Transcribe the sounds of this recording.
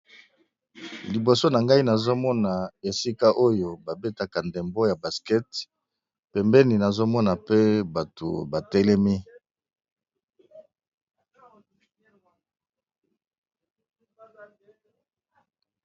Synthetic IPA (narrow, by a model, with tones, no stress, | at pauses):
li˨bo˨so˦na˨ŋɡa˦i˦na˨zo˦mɔ˦na˨e˨si˦ka˦ʔo˦jo˨ba˨be˦ta˨ka˨ndɛ˨mbo˦ja˨ba˨skɛ˦t | pɛ˨mbɛ˦ni˨na˨zo˦mɔ˦na˨pe˦ba˨tʰo̰˨ba˨tɛ˦lɛ˦mi˦